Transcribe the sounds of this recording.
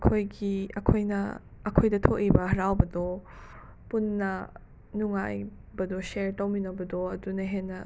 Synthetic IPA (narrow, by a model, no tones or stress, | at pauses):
kʰojɡiɐkʰojnɐ̰ | ɐkʰojdɐtʰoʔibɐhɐɾawbɐdo | punːɐ | nuŋa̰j | bɐdoseɾtɐwminɐbɐdoɐdunɐɦenːɐ